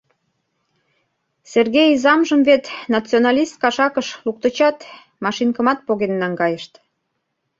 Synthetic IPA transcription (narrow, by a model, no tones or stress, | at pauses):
serɣejizɑmʒəmvet̪nɑt͡sionɑlʲist̪̚kɑʃɑkəʃluk̚t̪ə̆t͡ɕɑt̪ | mɑʃinkəmɑt̪̚poɣenːɑŋɡɑjəʃt̪